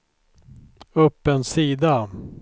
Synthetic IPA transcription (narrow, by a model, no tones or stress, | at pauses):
ɵpːənsiːd̪a